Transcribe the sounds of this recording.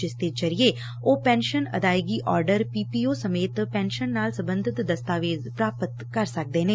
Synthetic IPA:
ɪst̪eːd͡ʒəɾijeː | oːpɛ̃ːnʃənə̰d̪aːjɡiːʔɔːɾɖəɾpiːpiːoːsəmeːt̪pɛːnʃənːaːlsəbənd̪ʱɪt̪d̪əst̪aːʋeːzpɾaːpət̪kəɾsək̚d̪eːneː

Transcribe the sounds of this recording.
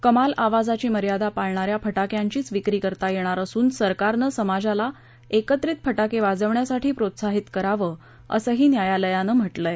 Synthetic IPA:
kəmalaʋad͡zat͡ɕiːməɾjad̪apaɭɳaɾjapʰəʈakjaɲt͡ɕiːt͡sʋikɾiːkəɾt̪ajeɽ̃aɾəsuːnsəɾkaɾnəsəmad͡zala | ekət̪ɾiːt̪̚pʰəʈakeʋad͡zəʋɳjasaʈʰiːpɾot̪saɦit̪kəɾaʋəː | ə̰səɦiːnjajaləjanəm̤əʈləj

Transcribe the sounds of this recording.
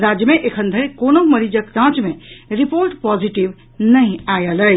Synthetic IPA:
ɾad͡ʒjəmeʔekʰənd̪ʱəɾikonoməɾid͡ʒəkɾãt͡ʃmeɾipoɾʈpɔd͡ʒiʈib | nəjajələj

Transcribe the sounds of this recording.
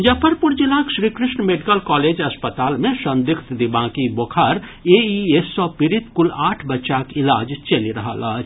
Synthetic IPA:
d͡ʒɐpʰəɾpʊɾd͡ʒilãːkʃɾiːkɾɪʃɳəmeɖikəlkɔːleːd͡ʒɐspət̪aːlmẽʃɐ̃nd̪ɪkʰt̪d̪ibãːkiboːkʰaːɾeːiesːɔpɪɾɪt̪kʊlaːʈʰbɐt͡ʃakɪlaːd͡ʒt͡ʃɐliɾɐɦa̰ːlaː

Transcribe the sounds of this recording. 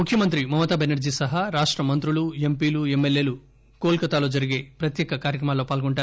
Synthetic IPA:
mukʰjɐmɐnt̪ɾimɐmɐt̪aːbenɐɾd͡ʒiːsɐɦaɾaːʂʈɾɐmɐnt̪ɾulue̞mpiːlue̞mːelːe̞ːlu | koːlkɐt̪aːlo̞ːd͡ʒɐɾiɡe̞ːpɾɐt̪jeːkɐkaːɾjɐkɾɐmaːlːo̞ːpaːlɡoɳʈaːɾ

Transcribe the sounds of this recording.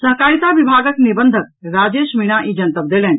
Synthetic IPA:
sɐɦkaːɾit̪aʋibʱaːɡəknibənd̪ʱək̚ɾaːd͡ʒeːʃmiɽ̃aʔĩd͡ʒənt̪əb̚d̪eːlɛːn

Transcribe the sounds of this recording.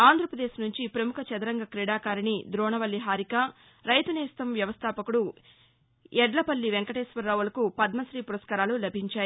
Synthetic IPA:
aːnd̪ʱɾɐpɾɐd̪eːʃnuɲt͡ʃipɾɐmukʰɐt͡ʃɐd̪ɐɾɐŋɡɐkɾiɽaːkaːɾinid̪ɾɔːɳɐʋɐlːiɦaːɾika | ɾɐjt̪uneːst̪ɐmʋjɐʋɐst̪ʰaːpɐkuɽu | ɛɖlɐpɐlːiʋeŋkɐʈeːsʋɐɾːaːʋulɐkupɐd̪mɐsɾiːpuɾɐskɐɾaːlulɐbʱiɲt͡ʃaːji

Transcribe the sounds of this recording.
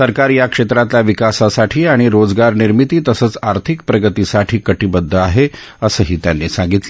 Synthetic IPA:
səɾkaɾjakʂet̪ɾat̪ljaʋikasasaʈʰiːaɽ̃iɾod͡zɡaɾniɾmit̪iːt̪əsəːt͡saɾt̪ʰik̚pɾəɡət̪isaʈʰiːkəʈibəd̪ʱːəaɦe | əsəɦiːt̪janːiːsãŋɡit̪l

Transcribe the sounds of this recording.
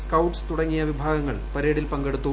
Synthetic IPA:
skɐwʈst̪uɽɐŋːijɐʋibʱaːɡɐŋːɐɭpɐɾeːɽilpɐŋɡeɽut̪ːu

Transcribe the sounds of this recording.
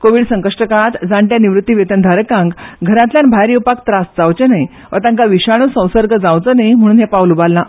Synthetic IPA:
koʋiːɽsəŋkəʂʈəkat̪d͡zaɳʈ̪janiʋɾut̪ːiʋet̪ənd̪ʱaɾəkãŋɡɡʱəɾãt̪ljãnbʱajɾiwpak̚t̪ɾasd͡zawt͡ɕenaj | ʋʔət̪ãŋkaʋiɕaɽ̃usə̃w̃səɾɡʱəd͡zawt͡sənajm̤əɽunɦɛpaʋlubalːa

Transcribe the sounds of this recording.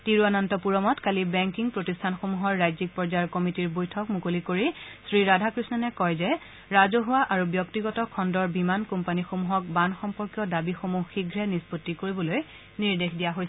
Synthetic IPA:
tiɹuanantɔpuɹɔmɔtkalibɛŋkiŋpɹotistʰanxomuɦɔɹːajzik̚pɔɹzaɹkɔmitiɹbojtʰɔkmukolikoɹisɹiɹadʱakɹisnɔnɛkɔjzɛ | ɹazoɦuwaʔaɹubjɔktiɡɔtɔkʰɔndɔɹbimankɔmpanixomuɦɔk̚banxɔmpɔɹkjɔdabixomuxxiɡʱɹɛnispotːikoɹibɔloj | niɹdexdijaɦojs

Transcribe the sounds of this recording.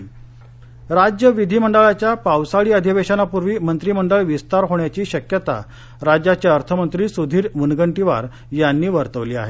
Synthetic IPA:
ɾad͡ʑjəʋid̪ʱiːməɳɖəɭat͡ɕjapawsaɭiːəd̪ʱiʋeɕanapuɾʋiːmənt̪ɾiməɳɖəɭʋist̪aɾɦoɳjat͡ɕiːɕəkjət̪a̰ | ɾad͡ʑjat͡ɕjaəɾt̪ʰəmənt̪ɾiːsud̪ʱiːɾmunɡəɳʈiʋa̰ɾ | janːiːʋəɾt̪əʋliːa̰ɦe

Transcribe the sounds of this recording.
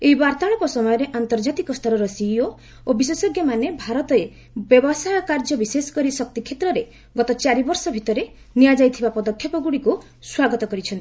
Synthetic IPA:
eɦibaɾt̪aɭ̃ɔpɔsɔmɔjɔɾeʔant̪ɔɾd͡ʒat̪ikɔst̪ʰɔɾɔɾɔsio | obisesɔɡʱjɔmanebʱaɾɔt̪ɔe | bjɔbɔsajɔkaɾd͡ʒɔbisesɔ̥kɔɾisɔk̚t̪ikʰet̪ɾɔɾe | ɡɔt̪ɔt͡ʃaɾibɔɾsɔbʱit̪ɔɾe | niad͡ʒajt̪ʰibapɔd̪ɔkʰjɔpɔɡuɽiku | swaɡɔt̪ɔkɔɾit͡ʃʰɔnt̪ii

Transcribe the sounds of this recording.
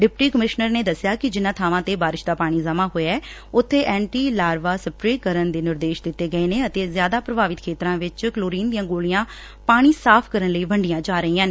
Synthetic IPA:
ɖɪpʈiːkəmɪʃnəɾneːd̪əsːɪjaːkɪd͡ʒɪnːãːt̪ʰaːʋãːt̪eːbaːɾɪʃd̪aːpaːɽ̃iːzəmaːɦoːeɛː | ʊt̪ʰːeːʔɛ̃ːɳʈiːlaːɾʋaːsəpɾeːkəɾənd̪eːnɪɾd̪eːʃd̪ɪt̪ːeːɡəeːneːət̪eːzjaːd̪aːpɾəbʱaːʋɪt̪kʰeːt̪ɾãːʋɪt͡ʃkloːɾiːnd̪ijãːɡoːlijãː | paːɽ̃iːsaːpʰkəɾənləiːbəɳɖɪjãːd͡ʒaːɾəiːãːneː

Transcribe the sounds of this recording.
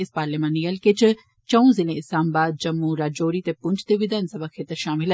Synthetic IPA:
ɪspaːɾlimãnijəlkɪt͡ʃ | t͡ʃəũːzɪlẽːɪslaːmbaːd̪̚d͡ʒəmːũːɾaːd͡ʒoːɾiːt̪eːpʊɲd͡ʒt̪eʋɪd̪aːnsəbaːkʰeːt̪əɾʃaːmɪl

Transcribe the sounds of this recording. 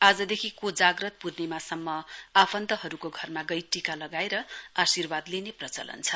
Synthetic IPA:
ad͡zʌd̪ekʰikod͡zaɡrʌt̪̚pudnemasʌmːʌapʰʌnt̪ʌɦʌɾukoɡʱʌrmaɡʌjʈikalʌɡaeɾʌasirbad̪leneprʌt͡sʌ̰lʌ̰nt͡sʰʌ

